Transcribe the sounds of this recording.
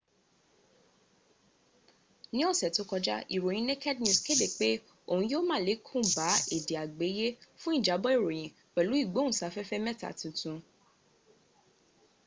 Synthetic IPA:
nĩ˦o˦˨sɛ˨to˨˦kɔ˧d͡ʒa̰˦ʔi˨ɾo˨j̃ĩ˧ne˦kɛ˦dnũ˧˨ske˦de˦˨k͡pe˦ | o˦˨hũ˧jo˦mãː˦˨le˨˦kʰũ˦˨ba˨˦e˦˨de˨a˨ɡ͡be˨˦je˦fũ˦i˦˨d͡ʒa˨˦bɔ˦i˦˨ɾo˨j̃ĩ˨ | k͡pɛ˨lu˨˦i˦˨ɡ͡bõ˨˦ũ˦˨sa˨˦fɛ˦fɛ˦mɛ̃˦˨ta̰˨tũ˧tũ˨˧

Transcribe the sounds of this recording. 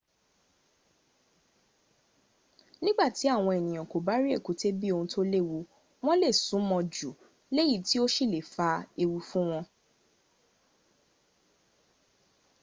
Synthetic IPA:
nĩ˦ɡ͡ba˦˨ti˨˦a˦˨w̃ɔ̃˧e˨nĩ˨j̃ã˨ko˨ba˦ɾi˦e˦˨ku˨˦te˦bi˦o˧hũ˧to˦le˦˨wu˧ | w̃ɔ̃˦le˦˨sũ˨˦mɔ̃˧d͡ʒu˨ | le˦ji˦ti˦o˦ʃi˦˨le˨fa˧e˧wu˧fũ˦w̃ɔ̃˧

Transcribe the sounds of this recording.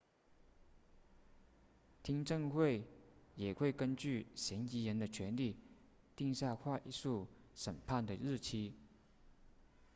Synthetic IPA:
t̪ʰi˥ŋʈ͡ʂɤ˥˧ŋxwe˥˩ɪjɛ˨˩xwe˥˩ɪkə˥nt͡ɕy˥˩ɕjɛ˧˥ni˧˥jɛ˧˥nd̪ə˨t͡ɕʰɥɛ˧˥nli˥˩ | t̪i˥˧ŋɕja˥˧xwa˥˧ʔi˥ʂu˥˩ | ʂə˨˩npʰa˥˩nd̪ə˩ɻɻ̩˥˩t͡ɕʰi˥

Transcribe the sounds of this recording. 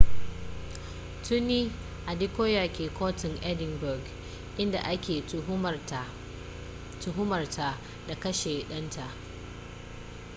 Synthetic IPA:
tʊ˦nːiː˦ | ʔa˨di˦koː˦jaː˨kʲeː˨kʰoː˦tɪ˨ŋʔɛ˦dɪ˨ŋbʊ˨ɡ | ʔɪ˦nda̰˨ʔa˦kʲeː˨ | tʊ˨ɦʊ˦mɐ˨rtʰa˨ | da˨kɐ˦ʃeː˨ɗɐ˦ntʰa˨ʔ

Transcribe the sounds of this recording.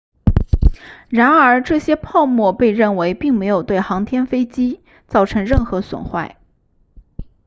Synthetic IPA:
ɻa˧˥nə˞˧˥ʈ͡ʂɤ˥˩ɕjɛ˥pʰɑ˥˧ʊmwɔ˥˧pe˥˧ɪɻə˥˩nwe˧˥ɪpi˥˩ŋme˧˥ɪjo˨˩ʊt̪we˥˩ɪxɑ˧˥ŋt̪ʰjɛ˥nfe˥ɪt͡ɕi˥ | t͡sɑ˥˩ʊʈ͡ʂʰɤ˧˥ŋɻə˥˩nxɤ˧˥swə̰˨˩nxwa˥˩ɪ

